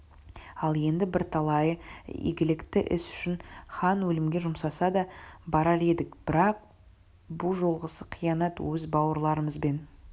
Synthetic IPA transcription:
ɑlˠe̞nd̪ɪbɪɾt̪ʰɑlˠɑjəḛɡʲɪlɪkt̪ɪʔɪ̰sʏ̥ʃɪnχɑnwɵlɪmɡʲe̞ʒʊmsɑsɑd̪ɑbɑɾɑɾe̞d̪ɪkb̥ɪɾɑq̚ | bʊlˠʒo̞lˠʁəsəqʰijɑnɑt̪wɵzbɑwəɾlˠɑɾəməzbe̞n

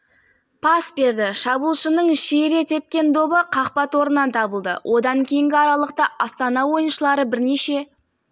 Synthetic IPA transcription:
pʰɑsbe̞ɾd̪ɪʃɑbulˠʃənəɴʃeɾe̞t̪ʰe̞p̚kʲe̞nd̪o̞bəqʰɑqpɑt̪wo̞ɾənːɑnt̪ʰɑbəlˠd̪ə̰wʔo̞d̪ɑŋkʲʰe̞jɪŋɡʲɪɑɾɑlˠəq̚t̪ɑʔɑst̪ɑnɑwo̞jənʃəlˠɑɾəbɪɾne̞ʃe̞

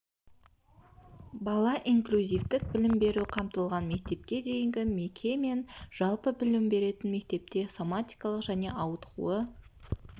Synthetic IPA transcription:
bɑlˠɑʔiŋklʲuzʲijft̪ɪk̚bɪlɪmbe̞ɾuqʰɑmt̪əlˠʁɑnme̞k̚t̪e̞p̚kʲe̞d̪e̞jɪŋɡʲɪme̞kʲʰe̞me̞nʒ̥ɑlˠpəbɪlɪmbe̞ɾe̞t̪ɪnme̞k̚t̪e̞p̚t̪e̞so̞mat̪ijkɑlˠəqʒ̥æne̞ʔɑwət̪qṵə

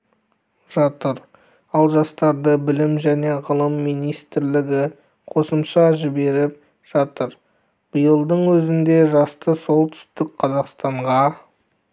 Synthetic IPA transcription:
ʒ̥ɑt̪əɾ | ɑlˠʒɑst̪ɑɾd̪əbɪlɪmʒæne̞ʁəlˠəmːijnijst̪ɪɾlɪɡʲɪ | qʰo̞səmʃɑʒɪbe̞ɾɪp̚ | ʒ̥ɑt̪əɾ | b̥ijəlˠd̪əɴwɵzɪnd̪e̞ʒɑst̪əso̞lˠt̪ʰʏ̥st̪ɪk̚qʰɑzɑqst̪ɑɴʁɑ

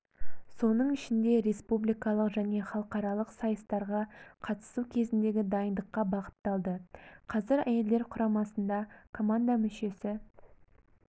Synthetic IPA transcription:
so̞nəɴɪʃɪnd̪e̞ɾe̞spublijkɑlˠəqʒæne̞χɑlˠəqɑɾɑlˠəqsɑjəst̪ɑɾʁɑqʰɑt̪ə̥sukʲʰe̞zɪnd̪e̞ɡʲɪd̪ɑjənd̪əqːɑbɑqə̥t̪ːɑlˠd̪əqʰɑzɪɾæ̰je̞ld̪e̞ɾqʰʊɾɑmɑsənd̪ɑkʰo̞mand̪amʏʃe̞sɪ

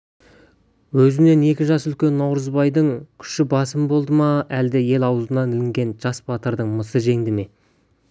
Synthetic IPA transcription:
wɵzɪne̞ne̞kʲɪʒɑsʏlkʲe̞nːɑwɾəzbɑjd̪əɴkʲʰʏ̥ʃɪbɑsəmbo̞lˠd̪əmɑæld̪ɪje̞lɑwəzənɑnɪlɪŋɡʲe̞nʒɑsbɑt̪əɾd̪əɴməsəʒe̞ŋd̪ɪme̞

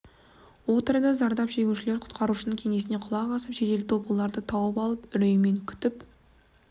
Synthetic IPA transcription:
wo̞t̪əɾəd̪ɑzɑɾd̪ɑpʒe̞ɡʲuʃɪleɾqʰʊ̥t̪qɑɾuʃənəŋkʲʰe̞ŋe̞sɪne̞qʰʊlˠɑʁɑsəpʒet̪e̞lɪopəlˠːɑɾd̪ət̪ʰɑwəpɑlˠəpʏɾejme̞ŋkʲʰʏ̥t̪ɪp

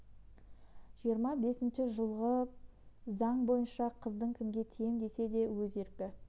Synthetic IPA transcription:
ʒ̥ijəɾmɑbe̞sɪnʃɪʒəlˠʁə | zɑɴbo̞jənʃɑqʰəzd̪əɴkʲʰɪmɡʲe̞t̪ʰejɪmd̪e̞se̞d̪e̞wɵze̞ɾkʲɪ

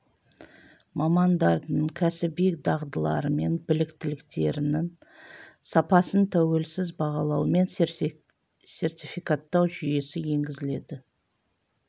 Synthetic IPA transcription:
mɑmɑnd̪ɑɾd̪əɴkʲʰæsɪbekd̪ɑʁd̪əlˠɑ̰ɾəme̞nbɪlɪkt̪ɪlɪkt̪e̞ɾɪnɪŋ | sɑpɑsənt̪ʰæwe̞lsɪzbɑʁɑlˠɑwme̞n | se̞rt̪ʲifikat̪ːɑwʒʏje̞sɪje̞ŋɡʲɪzɪle̞d̪ɪ

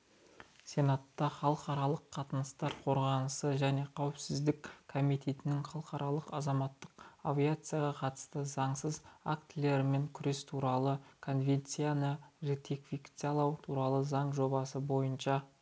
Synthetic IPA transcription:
sʲe̞nat̪ːɑχɑlˠəqɑɾɑlˠəqʰːɑt̪ənəst̪ɑɾqʰo̞ɾʁɑnəsəʒæne̞qʰɑwɪpsɪzd̪ɪkʰo̞mijt̪ʰe̞t̪ɪnɪŋχɑlˠəqɑɾʔɑlˠəqɑzɑmɑt̪ːəqavʲiat̪sɨjaʁɑqʰɑt̪ə̥st̪əzɑɴsəza̰kt̪lʲe̞ɾme̞ŋkʲʰʏɾe̞st̪ʰuɾɑlˠəkʰo̞nvʲe̞nt̪sijanəʒet̪ʰekfikt̪salˠɑwt̪ʰuɾɑlˠəzɑɴʒo̞bɑsəbo̞jənʃɑ

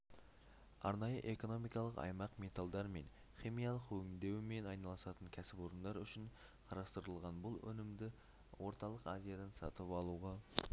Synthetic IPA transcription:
ɑ̰ɾnɑjəʔe̞ko̞no̞mijkɑlˠəqɑ̰jmɑqme̞t̪alˠd̪ɑɾme̞̰n | χʲimijɑlˠəqwʰɵŋɪld̪e̞wɪme̞nɑjnɑlˠəsɑt̪əŋkʲʰæsɪpo̞ɾənd̪ɑɾʏʃɪɴ | qʰɑɾɑst̪əɾəlˠʁɑnbʊlˠɵ̰nɪmd̪ɪ | wo̞ɾt̪ɑlˠəqɑzijad̪ɑnsɑ̰t̪əpɑlˠuʁɑ

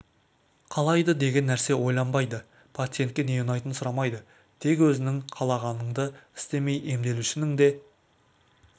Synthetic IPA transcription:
qʰɑlˠɑjd̪əd̪e̞ɡʲe̞nːæɾse̞wo̞jlˠɑmbɑjd̪ə | pʰat̪sɨjent̪̚kʲe̞ne̞junɑjt̪ənsʊɾɑmɑjd̪ə | t̪ʰe̞kwɵzɪnɪŋqʰɑlˠɑʁɑnəɴd̪əɪ̥st̪e̞me̞jʔe̞md̪e̞luʃɪnɪŋd̪e̞

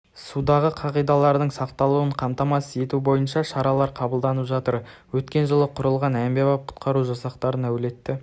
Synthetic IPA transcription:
sud̪ɑʁəqʰɑʁijd̪ɑlˠɑɾd̪əɴsɑqt̪ɑlˠuwəɴqʰɑmt̪ɑmɑsəe̞t̪ubo̞jənʃɑʃɑɾɑlˠɑɾqʰɑbəlˠd̪ɑnəpʒɑt̪əɾwɵt̪kʲe̞nʒəlˠəqʰʊɾəlˠʁɑnæmbe̞bɑp̚qʰʊ̥t̪qɑɾuʒɑsɑqt̪ɑɾənæwɪle̞t̪ːɪ

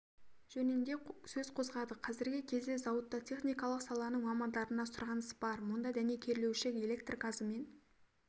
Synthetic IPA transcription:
ʒ̥ɵnɪnd̪e̞sɵz̥qʰo̞zʁɑd̪əqʰɑzɪɾɡʲɪkʲʰe̞zd̪e̞zɑwət̪ːɑt̪ʲʰe̞χnijkɑlˠəqsɑlˠɑnəɴmɑmɑnd̪ɑɾənɑsʊɾʁɑnəsbɑɾmʊnd̪ɑd̪æne̞kʲʰe̞ɾle̞wʃekele̞k̚t̪rɡazəme̞n

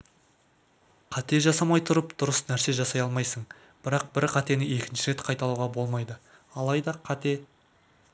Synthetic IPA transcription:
qʰɑt̪e̞ʒɑsɑmɑjt̪ʰʊɾəpd̪̥ʊɾəsnæɾse̞ʒɑsɑjɑlˠmɑjsəɴ | b̥ɪɾɑq̚bɪɾqʰɑt̪e̞nɪe̞kʲɪnʃɪɾe̞t̪qʰɑjt̪ɑlˠuwʁɑbo̞lˠmɑjd̪ə | ɑlˠɑjd̪ɑqʰɑt̪e̞

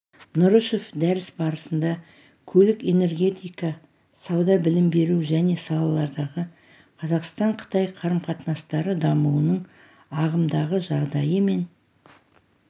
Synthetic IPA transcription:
nʊɾəʃofd̪æɾɪsbɑɾəsənd̪ɑ | kʲʰɵlɪke̞ne̞ɾɡʲe̞t̪ijkɑ | sɑwd̪ɑbɪlɪmbe̞ɾuʒæne̞sɑlˠɑlˠɑɾd̪ɑʁə | qʰɑzɑqst̪ɑɴqʰə̥t̪ɑjqʰɑɾəmqʰɑt̪nɑst̪ɑɾəd̪ɑmuwənəɴ | ɑʁəmd̪ɑʁəʒɑʁd̪ɑjəme̞n

